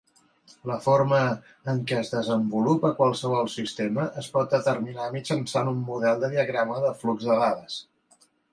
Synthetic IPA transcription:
ləfoɾməː | ŋkɛəzðəzəmbulupəkwalˠsəβ̞ɔlˠsist̪eməʔəspɔt̪̚d̪ət̪ərminamisənsanumːuðɛlˠd̪əðiəɣɾaməðəfluɡzðəɣaðəs

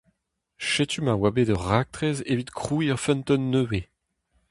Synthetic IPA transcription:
ʃet̪ymawabedœʁak̚t̪χezevit̪kχuiœʁfɛ̃nt̪ɔnːøːve

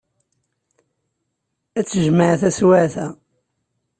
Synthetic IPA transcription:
æt͡sːəʒməʕθæswæθæ

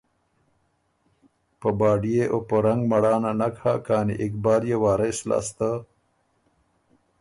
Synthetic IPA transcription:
pəbaːɖijeʔopoɾɐŋɡmɐɽaːnanakhakaːnḭʔikbaːljewaːɾasla̰ːst̪a

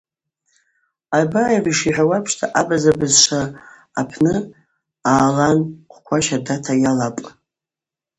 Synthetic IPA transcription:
abajariʂiħʷᶣawapʰʂtʰaʔabazabɨzʂʷaː | pʰnɨ | aːlanqʷʰkʷʰaʃadatʰajalapʼ

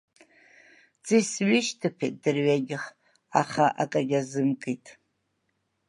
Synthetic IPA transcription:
t͡sʰʼisɥɪʃtʰɨpʰet̚ʼdɨrɥaɡʲɪχ | aχaʔa̰kʼaɡʲazɨmkʼijtʼ

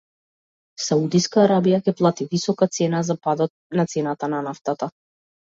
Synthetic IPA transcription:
saud̪iskaːɾabijakɛplˠat̪ivisɔkat̪sɛnazapad̪ɔt̪̚nat̪sɛnat̪ananaft̪at̪a

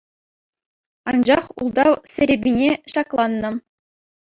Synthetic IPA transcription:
ɑnd͡ʑɑχulˠd̪ɑsʲɘ̆ɾʲebʲinʲeɕɑklˠɑnːɤ̆

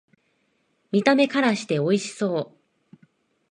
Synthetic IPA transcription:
mʲit̪ame̞kaɾaɕi̥t̪e̞o̞iɕi̥so̞ː

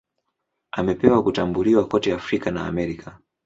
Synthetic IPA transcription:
amɛpɛwakutambuliwakɔtɛafɾikana̰ːmɛɾikʰa

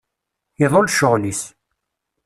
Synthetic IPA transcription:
ɪðˤolʃʊʁlis

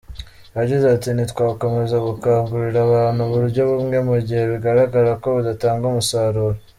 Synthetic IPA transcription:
βaɟizatinitkwaːko̞me̞zaɡukaːŋɡuɾiɾaβaːn̥huβuɾuɾɟo̞βumŋe̞muɟihe̞βiɡaɾaɡaɾako̞βudataːŋɡumusaːɾuɾo

